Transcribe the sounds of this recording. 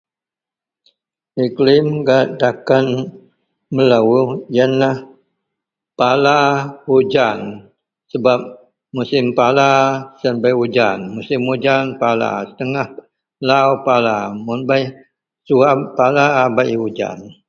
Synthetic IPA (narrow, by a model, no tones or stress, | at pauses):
iklɪmɡaʔdakan | məlawujanlah | palahud͡ʒan | səbap̚ | musɪmpalasanbajhud͡ʒanmusɪmhud͡ʒanpala̰sə̥t̪əŋah | lawpalamunbaj | suapalaːbaʔhud͡ʒa̰n